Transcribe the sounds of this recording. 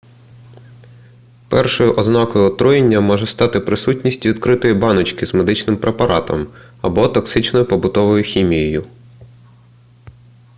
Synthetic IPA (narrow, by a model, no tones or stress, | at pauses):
pɛ̰rʃɔjʊʔɔznɑkɔjʊɔt̪ɾujenʲːɐmɔʒɛst̪ɑt̪ɪpɾɪsutʲnʲisʲtʲʋʲid̪kɾɪt̪ɔjibɑnɔt͡ʃkɪzme̞d̪ɪt͡ʃnɪmpɾʔe̞pɐɾɑt̪ɔ̰mɐbɔt̪ɔksɪt͡ʃnɔjʊpɔbʊt̪ɔʋɔjʊxʲimʲijɔjʊ